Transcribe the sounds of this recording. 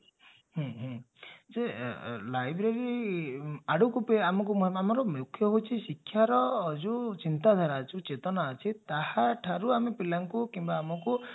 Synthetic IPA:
ɦɔ̃ɦɔ̃ | d͡ʒelajbɾeɾi | aɽukupeamɔkumɔɦamɔɾɔmjukʰːjɔɦot͡ʃʰisikʰːjaɾɔːd͡ʒut͡ʃint̪ad̪ʱaɾaːt͡ʃʰũt͡ʃet̪ɔnaːt͡ʃʰit̪ahaʈʰaɾuamepilaŋkukimbaːmɔku

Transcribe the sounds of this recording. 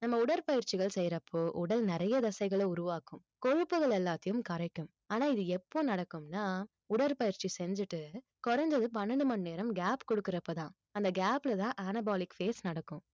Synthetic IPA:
nɐmːɐʊɽɐɾpɐjɪɾt͡ʃɪɣɐɭsɛjɪɾɐpʰːoːʔʊɽɐlnɪɾɐjɐd̪ɐsɐɪɣɐɭeʊɾʊʋaːkɯ̃m | kɔɻɯpːɯɣɐɭɛlːaːt̪ːɐjɯmkɐɾɐkːɯm | aːnaːɪðɯɛpːoːnɐɽɐkːɯmnaː | ʊɽɐɾpɐjɪɾt͡ʃisɛɲd͡ʒɯʈːɯ | kɔɾɐɲd͡ʒɐðɯpɐnːɐɳɖɯmɐnneːɾɐmɡaːpkɔɽɯkːɪɾɐpːot̪ãː | ɐnd̪ɐɡaːpːlɐt̪ãːʔɐnɐbaːlɪkfeːsnɐɽɐkːɯ̃m

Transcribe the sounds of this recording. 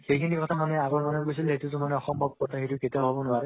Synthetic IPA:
xejkʰinikɔt̪ʰamaneaɡɔɹmanekosilɦet̪utumaneɔxɔmbʱɔb̚kɔt̪ʰaɦetuket̪abɦɔbɔnʊaɾe

